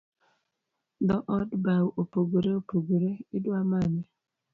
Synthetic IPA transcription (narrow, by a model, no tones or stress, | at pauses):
d̪ɔʔɔdbawopoɡoɾeopoɡoɾeɪdwamane